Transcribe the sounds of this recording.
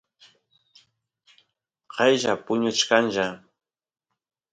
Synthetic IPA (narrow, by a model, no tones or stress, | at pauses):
qɑjʒapʊɲʊt͡ʃkanʒa